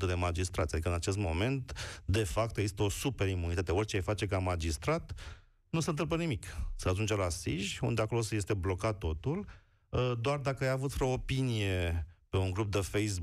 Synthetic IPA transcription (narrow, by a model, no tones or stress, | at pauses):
əd̪e̞mad͡ʒist̪ɾa̰t̪sʲad̪ikəɨnat͡ʃe̞st̪mo̞me̞nt̪d̪e̞fap̚t̪eɡzist̪əo̞supe̞ɾimunit̪at̪e̞o̞rʲt͡ʃeajfat͡ʃe̞kamad͡ʒist̪ɾat̪ | nusent̪ɨlmp̬ənimiksəat̪unt͡ʃalasḭʒṵnd̪eako̞losəje̞st̪e̞blo̞kat̪ːo̞t̪ul | d̪oard̪akəajavut̪fɾoːpinije̞pe̞uŋɡɾup̚d̪əfejs̬